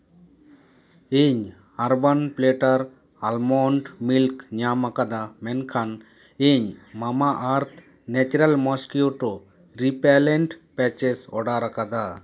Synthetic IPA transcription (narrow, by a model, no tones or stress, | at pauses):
eɲ | aɾbanpleʈaɾ | almɔɳʈmilkɲamakad̪amɛnkʰan | eɲmamaʔaɾt̪ʰ | nɛt͡ʃɾalmɔskioʈɔ | ɾipɛlɛɳʈpɛt͡ʃɛsɔ̰ɖaɾakad̪a